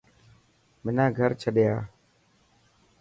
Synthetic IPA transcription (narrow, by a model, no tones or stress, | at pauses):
mɪnãːɡʱəɾt͡ʃʰəɗɪjaː